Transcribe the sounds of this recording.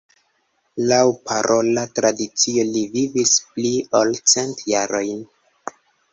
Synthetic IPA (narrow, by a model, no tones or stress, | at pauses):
lawpʰaɾo̞latɾadit͡siolivivispliolt͡se̞ntjaɾo̞jn